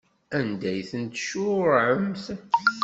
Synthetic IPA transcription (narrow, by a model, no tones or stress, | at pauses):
ænd̪æjθənt̪ʃʊɾʕəmθ